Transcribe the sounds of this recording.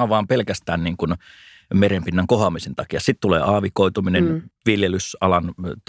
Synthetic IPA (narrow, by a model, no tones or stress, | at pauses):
ɑʋɑːmpelkæst̪æːnniːŋkun | merempinːæŋkohɑmisent̪ɑkiɑsit̪t̪ulḛːɑːʋikoˑit̪uminenʋiljelysɑlɑnt̪